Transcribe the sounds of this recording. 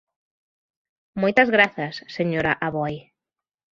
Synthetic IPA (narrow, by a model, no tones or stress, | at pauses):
mojt̪ɐzɣɾaθɐsːeɲoɾaʔaβɔj